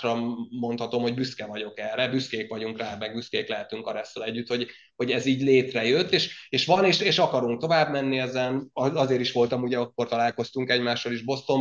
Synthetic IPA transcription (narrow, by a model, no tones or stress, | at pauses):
rɒmo̞nt̪hɒt̪o̞mho̞ɟbyskɛvɒɟo̞kɛrɛbyskeːkʋɒɟuŋkraːmɛɡ̚byskeːklɛɦɛt̪yŋkɒɾɛsːɛlɛɟːyt̪ho̞ɟ | ho̞ɟɛziːɟleːt̪rɛjøt̪ːeːʃeːʃʋɒneːʃeːʃɒkɒɾuŋk̚t̪o̞vaːbmɛnːiɛzɛnɒɒzeːɾiʃʋo̞lt̪ɒmuɟɛɒkːo̞rt̪ɒlaːlko̞st̪uŋkɛɟmaːʃːɒliʒbo̞st̪o̞m